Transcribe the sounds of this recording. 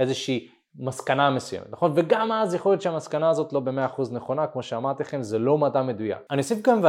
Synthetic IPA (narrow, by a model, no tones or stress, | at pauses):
ezeʃiː | maskanamesujemetnaχo̞nve̞ɡamazjeχo̞letʃeamaskanaːzo̞t̪lo̞be̞meaːχuzneχo̞nakmo̞ʃeamaʁt̪iχe̞mzelo̞madame̞duja̰kaniosifkamve